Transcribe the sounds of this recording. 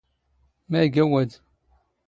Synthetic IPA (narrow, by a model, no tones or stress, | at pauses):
mæɡæwæd̪